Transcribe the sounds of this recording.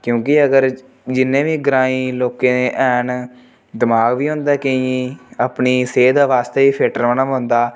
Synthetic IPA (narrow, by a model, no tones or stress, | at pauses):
kjõːkɪəɡəɾ | d͡ʒɪnːẽːʋiːɡɾãːĩːloːkẽːneːʔɛːn | d̪ɪmaːɡʋiːɦʊ̃ːnd̪aːkeapɳiːseːd̪aːʋaːst̪eːiːpʰeːʈəɾʋənamɦʊ̃ːnd̪aː